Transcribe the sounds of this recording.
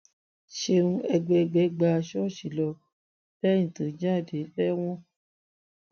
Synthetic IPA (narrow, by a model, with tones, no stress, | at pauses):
ʃe˧ũ˧ɛ˧ɡ͡bɛ˧ɡ͡bɛ˨˦ɡ͡ba˧˦˧ʃɔ˦˨ʃi˨lɔ˧ | bɛ˦ĩ˦˨tũ˨˦d͡ʒã˦˨de˨˦bɛ˦w̃ɔ̃˦